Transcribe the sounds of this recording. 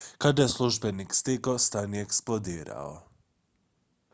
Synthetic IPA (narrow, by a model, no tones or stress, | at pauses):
kad̪ajesluʒbenikst̪ikost̪anijeksplˠod̪iːɾa̰o̰